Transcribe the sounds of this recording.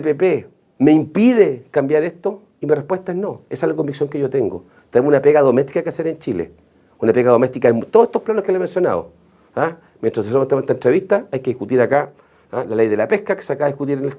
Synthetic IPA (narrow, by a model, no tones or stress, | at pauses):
epepe | meimpiðekambjaɾeht̪o | imirepwet̪aeɦnoesaelakombiksjo̞ŋkeʝot̪eŋɡo | t̪enemunapeɣaðomet̪i̥kakeaseɾent͡ʃilḛ | unapeɣaðo̞me̞st̪ikaemt̪oset̪oplanohkeleme̞nsjo̞na̰ðo̰ | a | mjentɾahðesoomet̪emnet̪aentɾeβiht̪aajkeðihkut̪iɾaka | alalejðe̞lapehkake̥sakaːðikut̪iɾenel